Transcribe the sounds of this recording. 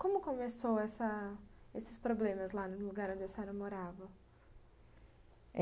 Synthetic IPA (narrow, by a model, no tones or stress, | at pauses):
kõmʊkõmesowɛsɐesɪ̥spɾoblẽmɐzlanʊluɡaɾõd͡ʒɪsɛɾɐmoɾavɐ